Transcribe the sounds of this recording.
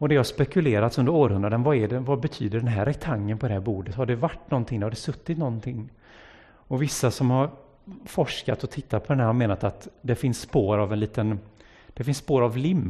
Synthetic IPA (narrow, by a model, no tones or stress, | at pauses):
ɔd̪ɛhaʂspɛkɵleːɾat̪sɵnd̪əɾoːɾɦɵnɾad̪ənvaɛɖɛvabɛt̪ʰyːd̪əɖɛnɦæːɾɛt̪ʰaŋːənpʰɔd̪ɛhæːɾbuːɖət̪haɖɛvaʈːnɔnt̪ʰɪŋd̪ɛhaɖ̪ɛsɵt̪ːɪt̪nɔnt̪ʰɪŋː | ɔvɪsːasɔmhaɾ | fɔʂka̰t̪ɔt̪ʰɪt̪ːat̪̚pʰɔd̪ɛnɦæɾhameːnat̪at̪d̪ɛfɪnsːpoːɾavɛnliːt̪ən | d̪̥ɛfɪnsːpoːɾavlɪmː